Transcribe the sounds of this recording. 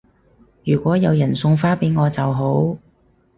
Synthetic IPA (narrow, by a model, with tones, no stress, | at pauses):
jyː˨˩kʷɔː˨˥jɐ˨˧wjɐ˨˩nsʊ˧ŋfaː˥pe˨˥jŋɔː˨˧t͡sɐ˨wɦo˨˥w